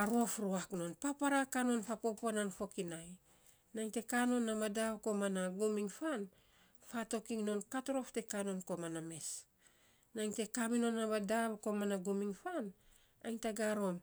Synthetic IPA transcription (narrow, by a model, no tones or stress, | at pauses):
aɾofɾoakno̞npapaɾakano̞npapo̞poananfo̞kinaj | najŋte̞kano̞nːamadaβko̞manaɡumiŋfan | fato̞kiŋno̞nkatoɾo̞fte̞kano̞nko̞maname̞s | najŋte̞kamino̞nːabadaβko̞manaɡumiŋfan | a̰jŋtaɡaɾo̞m